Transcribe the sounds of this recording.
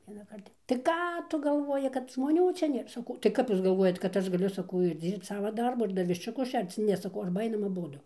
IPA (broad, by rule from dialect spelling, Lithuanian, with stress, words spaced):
ʋʲiɛnɐˈkɐrt jɛʊ tɐɪ ˈkɑː ˈtʊ ɡɐlˠˈʋoːjɪ kɐt ʒmoːˈnʲuː ˈt͡ʃʲɛ ˈnʲeːr sɐˈkɐʊ tɐɪ ˈkɐp ˈjuːs ɡɐlˠˈʋuɔjɛt kɐt ˈɐʃ ɡɐˈlʲʊ sɐˈkɐʊ ɪr ˈd͡zʲiːrpt͡s ˈsɑːʋɐˈdɐrbʊ ɪr ˈdɐr ʋʲɪʃʲt͡ʃʲʊˈkʊs ˈʃʲɛrt͡s ˈnʲɛ sɐˈkɐʊ ˈɐrbɐ ˈɐɪnɐm ɐˈbʊdʊ